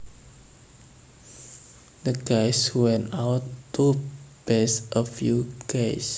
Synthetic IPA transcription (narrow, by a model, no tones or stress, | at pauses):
d̪əɡajswɛ̃nawt̪ːub̥ɛsʔəfjuɡ̥ejs